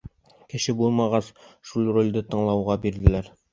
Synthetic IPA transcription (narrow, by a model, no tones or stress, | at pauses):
kɘ̆ʃɘbulˠmɑʁɑsʃulˠrolʲd̪ɘt̪ɤ̆ɴlˠɑwʁɑbiɾd̪ɘ̆læɾ